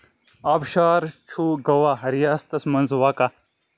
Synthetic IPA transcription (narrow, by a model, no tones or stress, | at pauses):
aːbʃaːɾt͡ʃʰuːɡɐwaɦɐɾijaːst̪ɐsmɐnzwaka